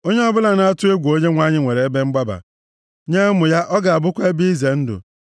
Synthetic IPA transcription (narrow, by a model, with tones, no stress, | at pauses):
o˦ɲe˦ɔ˦bʊ˦la˨na˦a˦tʊ˦e˦ɡʷo˦ɲe˦ŋʷa˦ɲɪ˦ŋʷe˨ɾe˨e˦be˦ŋ͡m̩˦ɡ͡ba˦ba̰˨ | ɲe˦mʊ˨ja˦ʔɔ˦ɡa˨a˨bʊ˦kʷe˦bi˦i˦ze˨n̩˦dʊ̰˨